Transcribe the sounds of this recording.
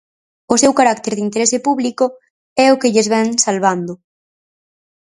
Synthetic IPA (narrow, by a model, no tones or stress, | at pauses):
ʊsewkaɾakt̪eɾðint̪eɾesɪpuβlikʊ | ɛʊkɪʎezβɛŋsalβand̪ʊ